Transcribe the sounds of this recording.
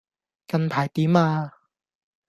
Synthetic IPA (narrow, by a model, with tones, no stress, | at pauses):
kɐ˧npʰaː˨˩jt̪iː˨˥maː˧